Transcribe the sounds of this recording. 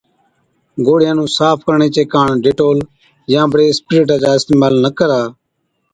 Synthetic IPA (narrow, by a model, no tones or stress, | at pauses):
ɡoːɽɪjãːnũːsaːpʰkəɾɳeːt͡ʃeːkãːɳɖeːʈoːl | jãːbəɽeːspɪɾeːʈ̬ãːd͡ʒaːɪst̪eːmaːlnəkəɾaː